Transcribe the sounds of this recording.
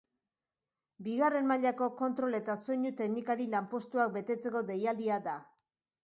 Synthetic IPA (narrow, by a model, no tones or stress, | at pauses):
biɣare̞nmaʎako̞ko̞nt̪ɾo̞le̞t̪aso̞ɲut̪e̞knikaɾilampo̞st̪uak̚be̞t̪e̞t͡se̞ko̞d̪e̞jald̪iad̪a